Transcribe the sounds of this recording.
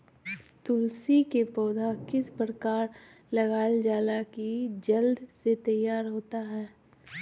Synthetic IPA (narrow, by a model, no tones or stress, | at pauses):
t̪ʊlsikepɔːd̪ʱakɪspɾəkaːɾ | lɐɡaːld͡ʒaːlakid͡ʒəld̪set̪əjaːɾɦoːt̪aɦɛː